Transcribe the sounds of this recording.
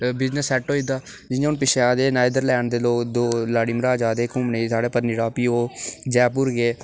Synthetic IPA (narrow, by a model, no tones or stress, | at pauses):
bɪznəsːɛʈoːid̪aː | d͡ʒɪãːʊnpɪʃaːd̪eːnaːjd̪əɾlɛːɳd̪eːloːkd̪oːlaːɽiːmɾaːd͡ʒaːd̪eːkʊmneːsaːɽeːpəɾnɪɽaːpiːoːd͡ʒɛːp̬ʊɾɡeː